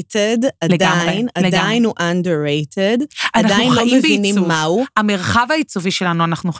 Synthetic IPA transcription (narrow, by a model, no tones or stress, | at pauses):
tedaled̪ameinaleɡd̪ajinhuʔanduɹejtʰedannadχajnlomevbinimmauameʁχavait͡soviʃe̞lanuanaχnuχ